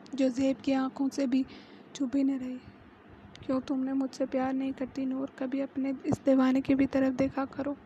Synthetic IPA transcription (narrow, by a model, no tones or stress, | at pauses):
d͡ʒoːzeːbkiãːkʰõsebʱi | t͡ʃʰʊbinɐɾɐɦiː | kjõːt̪ʊmnemʊd͡ʒʱsepjaːɾnɐɦĩkɐɾt̪inoːɾkɐbʱiɐpneɪsd̪eːʋaːnekibʱit̪ɐɾəfd̪eːkʰakɐɾoː